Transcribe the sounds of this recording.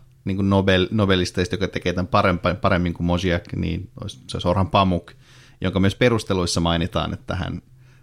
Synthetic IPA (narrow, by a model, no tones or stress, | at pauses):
niːŋkunnobelnobelːist̪ɑist̪jokɑt̪ekeːt̪æmpɑɾempɑpɑɾemːiŋkumosiɑknḭːno̰isso̰sorhɑmpɑmuk | jʔoŋkɑmyøsperust̪eluisːɑmɑinit̪ɑ̰ːnʔḛt̪ːæ̰hæ̰n